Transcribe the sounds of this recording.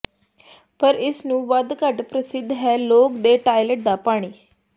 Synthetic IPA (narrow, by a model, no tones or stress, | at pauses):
pəɾɪsnũːʋəd̪kəɖpɾəsɪd̪ʱːɦɛːloːkd̪eːʈaːiləʈ̚d̪aːpaːɽ̃iː